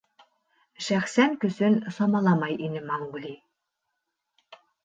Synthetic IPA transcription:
ʃæxsænky̆sɘ̆nsɑmɑlˠɑmɑjinɘ̆mɑŋɡuli

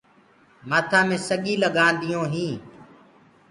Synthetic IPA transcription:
maːt̪ʰãːmẽːsəɠiːləɠaːnd̪ɪjõːɦĩː

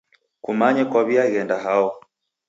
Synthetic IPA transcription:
kumaɲɛkwaβiaiɣɛndaɦaɔ

